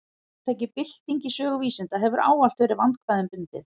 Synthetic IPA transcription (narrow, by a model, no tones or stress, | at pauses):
t̪ʰaːjc̬ɪpɪl̥t̪iɲcisœːɣʏviːsɪnt̪aɦɛvʏɾʔa̰ːwalt̪veːɾɪɾvant̪kʰvaːðɪmpʏnt̪ɪ̰θ